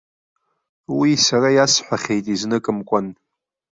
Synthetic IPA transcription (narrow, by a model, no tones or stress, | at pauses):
wisarajasħʷaχʲe̞jtʼiznɨkʼɨmkʷʼan